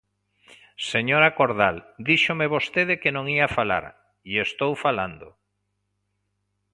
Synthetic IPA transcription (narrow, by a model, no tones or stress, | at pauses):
seɲoɾakoɾðald̪iʃomeβost̪eðekenõŋiafala̰ɾ | iest̪owfala̰nd̪o